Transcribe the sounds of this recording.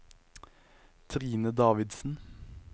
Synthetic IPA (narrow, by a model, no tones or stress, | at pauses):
t̪ʰʁiːnəd̪ɑːʋɪd̪sn̩